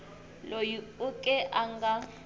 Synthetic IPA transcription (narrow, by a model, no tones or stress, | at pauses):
lojiukʼɛʔaŋɡa